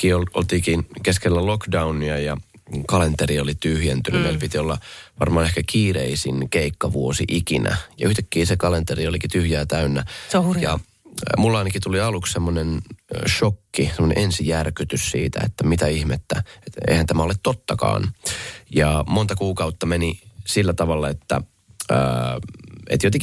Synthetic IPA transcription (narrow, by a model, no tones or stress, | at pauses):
kiːololt̪iːkinkeskelːælokdɑunːiɑjɑ̰ | kɑlent̪eriolit̪yhjent̪ynymelpit̪iolːɑʋɑrmɑːnehkækiːreisinkeikːɑʋuosiʔikinæ̰jɑ̰yht̪ækːiːsekɑlent̪eriolikit̪yhjæːt̪æynːæjɑ̰ | mulːɑˑnɑkit̪uliɑlukssemːonenʃokːisemonḛʔensijærkyt̪yssḭːt̪æ̰ḛt̪ːæmit̪æihmet̪ːæet̪ḛihænt̪æmæolet̪t̪ːot̪ːɑkɑ̰ːnjɑmont̪ɑkuːkɑut̪ːɑmenisilːæt̪ɑʋɑlːɑet̪ːæ̰ | ə | ḛt̪jot̪eŋk